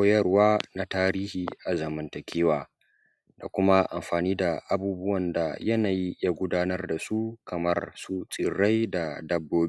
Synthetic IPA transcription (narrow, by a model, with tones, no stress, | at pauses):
jɐ˦rwaː˦na˦taː˦ɾiː˦hiː˨ʔa˨zɐ˨mɐ˦ntɐ˨kʲʰeː˦waː˨ | da˨kʷʊ˦ma˦ʔa̰˨mɸaː˨niː˦da˨ʔa˨buː˦bʊ˦wɐ˨nda̰˨jɐ˦naː˨ji˦ja˦ɡʷʊ˦daː˦nɐ˦rda˨su˦kʰɐ˨mɐ˦rsu˦t͡sʼɪ˨ɽa˦jda˨dɐ˦bːoː˦b